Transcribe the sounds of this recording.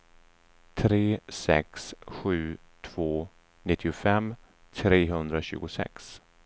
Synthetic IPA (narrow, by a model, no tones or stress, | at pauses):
t̪ʰɾeːsɛ̰ksɧʉ̟ː | t̪ʰv̥oː | nɪt̪ʰːɪʊfɛm | t̪ʰɾeːɦɵnd̪ɾaɕʉ̟̰ːɡʊsɛ̰ks